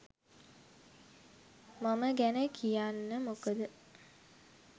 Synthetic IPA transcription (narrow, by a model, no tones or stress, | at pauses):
maməɡænəkʰijanːəmukəd̪ə